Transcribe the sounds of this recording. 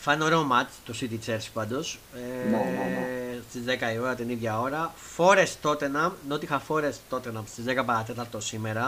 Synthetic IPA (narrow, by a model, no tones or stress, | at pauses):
fɐno̞ɾeomɐt͡ʃt̪osit̪it͡seɾspɐnd̪ose | st̪izðekɐioɾɐt̪iniðʝɐo̞ɾɐ | fo̞ɾest̪ot̪enɐmnot̪ixɐfo̞ɾest̪o̞t̪enɐmst̪izðekɐpɐɐt̪et̪ɐɾt̪o̞simeɾɐ